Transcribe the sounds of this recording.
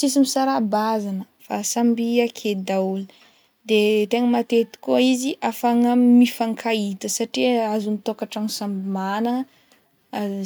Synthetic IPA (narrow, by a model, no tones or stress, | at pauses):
sisimisaɾabazanə | fasambiakʰed̪auli̥ | d̪et̪eŋəmat̪et̪i̥koiziʔafaŋəmifaŋkʰait̪əsaʈ͡ʂiazunit̪okaʈ͡ʂaŋsambimanə